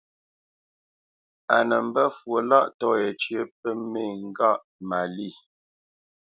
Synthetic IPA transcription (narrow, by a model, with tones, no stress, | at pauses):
a˨nə˨m̩˦bə˦fwo˨la˦˨ʔtɔ˦e˨t͡ʃɥə˦p̚ə˦me˦˨ŋ̩˦ɡa˦˨ʔ | ma˨li˦˨